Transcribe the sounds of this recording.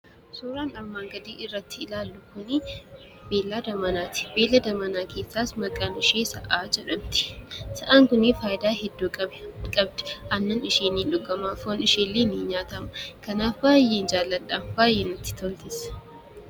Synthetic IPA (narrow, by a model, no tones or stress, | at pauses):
suːɾaːnɐɾmaːŋɡɐd̪iːʔɪrːɐt̪ːɪɪlaːlːʊkʊnɪ | beːlːaːd̪ɐmɐnaːt̪ɪ̥beːlːɐd̪ɐmɐnaːkʰe̞ːsːaːsmɐkʼːaːnɪʃeːsɐʔaːd͡ʒɛᶑɐnt̪ɪ̥sɐʔaːŋkʊnɪfaːʔɪd̪aːɦɛd̪ːuːkʼɐbkʼɐb̚d̪ɛ̥ʔɐnːɐnɪʃeːniːnᶑʊɡɐmaːfoːnɪʃeːlːeːniːɲaːt̪ɐmɐ̥kɐnaːfbaːjːeːnd͡ʒaːlːɐᶑaːnbaːjːeːnɐt̪ːɪ̥t̪ʰolt̪ɪs